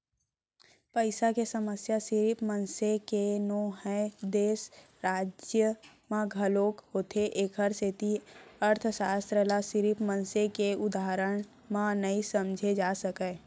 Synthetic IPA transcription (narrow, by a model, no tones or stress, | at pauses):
pəɪsakesəməsjasɪɾipmənsekenoːɦəjd̪eːs | ɾaːd͡ʒjəmãɡʱəloːkɦoːt̪ʰeʔeːkʰəɾset̪iəɾt̪ʰsaːst̪ɾəlasɪɾipmə̃nsekeʊd̪aːɾəɽ̃ | mãnəisəmd͡ʒʱed͡ʒaːsəkə